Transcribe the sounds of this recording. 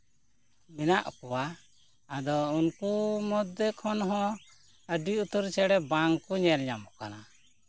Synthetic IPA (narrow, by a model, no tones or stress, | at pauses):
mɛnaʔkɔwa | ad̪ɔunkumɔd̪ːɛkʰɔnɦɔ̃ | əɖiut̪uɾt͡ʃɛɽɛbaŋkuɲɛɾɲamɔka̰na